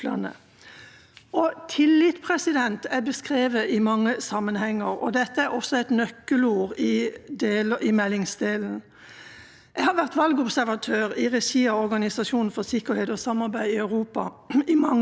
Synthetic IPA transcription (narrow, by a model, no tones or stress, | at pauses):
lɑ̰nə̰ | ɔt̪ʰɪlːɪt̪pʰʁɛsɪd̪ɛnt̪æbəskʁeːʋəʔɪmɑŋːəsɑmːənhɛŋːəʁɔ̰d̪ɛt̪ːəæɾɔsːɔɛɪt̪nœkːəluːʁɪd̪eːlɪmɛlːɪŋsd̪eːln̩ | ɛhɑɾʋæʁt̪ʋɑlɡɔbsæɾʋɑt̪ʰøːʁɪʁɛʃiːɑɔɾɡɑnɪsɑʂuːnn̩fɔsɪkːəɾheːd̪ɔsɑmːɑɾbæɪɪœʉʁuːpɑ̰ | ɪmɑŋː